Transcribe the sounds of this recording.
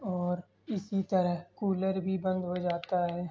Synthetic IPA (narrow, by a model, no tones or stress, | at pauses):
ɔːɾ | ɪsit̪ɐɾəɦkuːləɾbʱibɐ̃nd̪ɦod͡ʒaːt̪aɦɛː